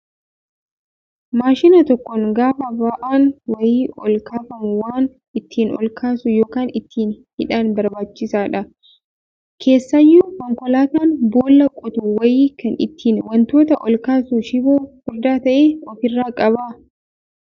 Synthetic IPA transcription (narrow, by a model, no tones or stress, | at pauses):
maːʃɪnɐt̪ɔkːɔŋɡaːfɐbaʔaːnwɐjiːɔlkaːfɐmʊwaːn | ɪt̪ʰːiːnɔ̰lkʰaːsʊjoːkaːnɪt̪ʰːiːnhɪᶑaːnbɐɾbaːt͡ʃːɪsaːᶑɐ | kʰe̞ːsːɐjːuːkɔŋkɔlaːt̪aːnboːlːɐkʼʊt̪uwɐjiːkɐnɪ̰t̪ːiːnwɐnt̪o̞ːt̪ɐʔɔlkaːsuʃɪboːhɔd̪aːt̪ɐʔeːɔfɪrːaːkʼɐbaː